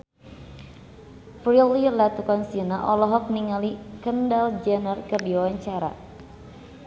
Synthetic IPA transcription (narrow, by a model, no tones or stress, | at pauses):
fɾililat̪ukɔnsinaʔɔlɔɦɔk̚niŋalikəndald͡ʒanərkərdiawaɲt͡ʃaɾa̰